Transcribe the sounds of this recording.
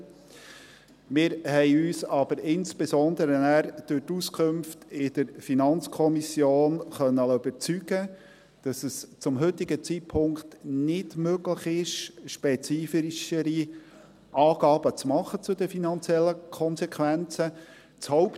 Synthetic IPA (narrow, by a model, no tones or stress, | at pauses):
mɪːɾhɛɪyːsɑb̥əɾɪnspesɔnd̪əɾənæːɾd̥ʉɾtuskʰχʊmftɪd̥əɾfinɑnt͡skʰɔmisjoːnχœnːəlyb̥əɾt͡syɡ̥ə | d̥ɑsəst͡sʊmɦʏtːɪɡət͡sit̚pʰʊŋkt̪nɪdmøɡləχɪʃʃpɛt͡siːfiiʃəɾi | ʔɑːɡ̥ɑːb̥ət͡smɑχət͡sʊd̪əfinɑnt͡sjɛlːəkʰɔnsɛkʰʋænt͡sə | t͡shɔʊp